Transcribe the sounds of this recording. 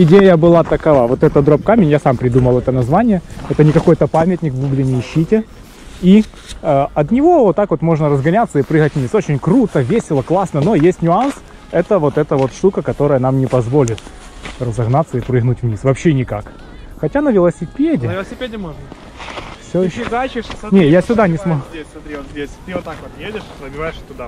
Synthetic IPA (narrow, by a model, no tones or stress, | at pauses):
ɪdʲejəbɨlˠat̪əkɐvavo̞t̪ɛt̪əd̪ɾop̚kamʲɪnʲjasampɾʲɪd̪uməlˠɛt̪ənɐzvanʲɪjəɛt̪ənʲɪkɐko̞jt̪əpamʲɪtʲnʲɪkvɡuɡlʲɪnʲɪɪɕːitʲɪ | i | əɐt̪nʲɪvo̞vot̪ːakvo̞t̪mo̞ʐnəɾəzɡɐnʲat̪səɪpɾɨɣətʲvnʲiso̞t͡ɕɪnʲkɾut̪əvʲesʲɪlˠəklˠasnəno̞jesʲtʲnʲʊans | ɛt̪əvo̞t̪ɛt̪əvo̞t̪ʂt̪ukəkɐt̪o̞ɾəjənamnʲɪpɐzvo̞lʲɪt̪ | rəzɐɣnat̪səɪpɾɨɣnutʲvnʲisvɐpɕːenʲɪkak | xɐtʲanəvʲɪlˠəsʲɪpʲedʲɪɪsʲɪpʲedʲɪmoʐnə | fsʲoɪɕːzat͡ʃɪnʲejasʲʊd̪anʲɪsmɐdʲesʲsmɐt̪ɾʲivot̪zʲdʲesʲt̪ɨot̪ːakʋot̪nʲɪjedʲɪʂɾəbʲɪvajɪʂt̪ʊd̪a